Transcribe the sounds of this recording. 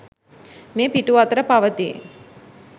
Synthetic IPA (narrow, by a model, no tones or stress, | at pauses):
meːpiʈuʋat̪əɾəpaʋət̪ḭ